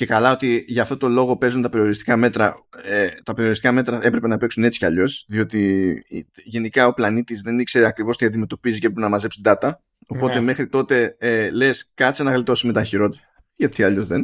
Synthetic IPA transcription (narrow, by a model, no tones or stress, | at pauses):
ce̞kɐlɐo̞t̪iʝɐːft̪o̞t̪o̞lo̞ɣo̞pe̞zunt̪ɐpe̞ɾio̞ɾist̪i̥kɐme̞t̪ɾɐet̪ɐpeɾio̞ɾist̪ikɐme̞t̪ɾɐe̞pɾe̞penɐpe̞ksune̞t͡si̥cɐʎo̞sðio̞t̪ḭ | ʝe̞nikɐo̞plɐnit̪izðe̞nikse̞ɾeɐkɾivo̞st̪iɐnd̪ime̞t̪o̞piziceepɾepenɐmɐze̞psid̪ɐt̪ɐ | o̞po̞t̪e̞me̞xɾit̪o̞t̪e̞ele̞skɐt̪isenɐɣlit̪o̞sime̞t̪ɐçiɾo̞t̪ | ʝɐt̪ʰiɐʎo̞zðen